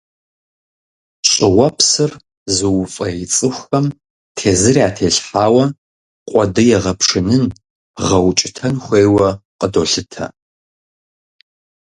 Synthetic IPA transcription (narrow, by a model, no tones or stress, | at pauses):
ɕʼɪwɐpʰsɨr | zɨwfʼɐjit͡sʼɨxʷxɐm | tʰeːzɨriaːtʰeːɬħaːwɐ | qʷʼɔdɨjɛʁɐpʰʂɨnɨn | ʁɐwt͡ʃʼɪtʰɐnxʷeːwɐqʼədoːɬɨtʰɐ̰